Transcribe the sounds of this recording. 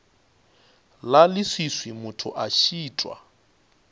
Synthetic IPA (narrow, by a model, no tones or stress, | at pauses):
lalɪswiswimʊtʰʊ̰ʔaʃiːtʼwa̰